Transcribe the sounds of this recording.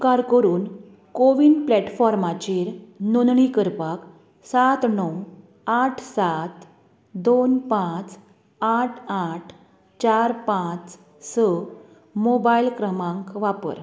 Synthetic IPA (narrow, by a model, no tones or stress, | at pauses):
kaɾkəɾuːn | koʋiːnplɛʈfɔɾmat͡ɕeɾnonɳikəɾpak | sat̪nɔw | aʈʰsat̪ | d̪onpãt͡s | aʈʰaʈʰ | t͡ɕaɾpãt͡s | sə | mobailkɾəmãŋkʋapə̰ɾ